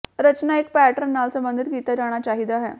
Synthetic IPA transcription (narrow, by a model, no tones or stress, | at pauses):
ɾət͡ɕnaek̚pæʈəɾnːalsəmbənd̪ʱit̪ɡit̪ad͡ʑaɽ̃at͡ɕaɦiːd̪aɦḛ